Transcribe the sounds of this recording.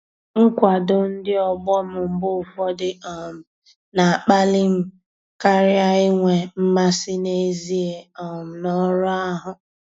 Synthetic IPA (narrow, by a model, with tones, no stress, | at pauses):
ŋ̩˦kʷa˨dʊ˦n̩˦dɪ˦ɔ˦ɡ͡bɔ˦mʊ˨m̩˦bʊ˦ʊ˨fɔ˦dɪ˦ɔ˨m̩˨ | na˨a˨k͡pa˦lɪ˦m̩˦ | ka˦ɾɪ˦a˦ɪ˦ŋʷe˨m̩˦ma˦sɪ˦ne˦zi˦e˨ɔ˨m̩˨nɔ˦ɾʊ˦a˦ɦʊ˨